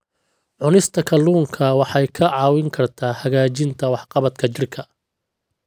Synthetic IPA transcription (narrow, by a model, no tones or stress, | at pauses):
ʕʊnɪst̪ʰɐkʰɐluːŋkʰɐwɑħɑjkʰɐʕɑːwɪŋkʰɐrt̪ʰaːhɐɣaːt͡ʃɪnt̪ʰɐwɑħqɑβɐt̪kʰɐt͡ʃɪrkʰɐ